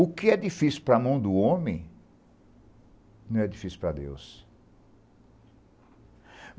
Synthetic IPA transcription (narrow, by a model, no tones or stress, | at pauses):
ʊkɪɛd͡ʒifisiupɾɐmɐ̃w̃d̪ʊõmẽj̃ | nɐ̃w̃ɛd͡ʒifisiwpɾɐd̪ḛws